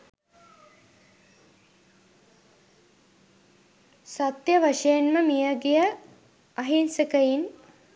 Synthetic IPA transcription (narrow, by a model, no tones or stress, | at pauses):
sat̪jəʋaʂejenməmijəɡejə | ɐɦinsəkəjin